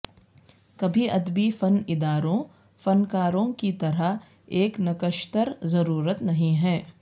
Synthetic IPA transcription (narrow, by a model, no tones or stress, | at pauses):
kɐbʱiɐd̪bifɐnɪd̪aːɾõ | fɐnkaːɾõkit̪ɐɾəɦ | eːknɐkəʃt̪əɾzɐɾuːɾət̪nɐɦĩɦɛː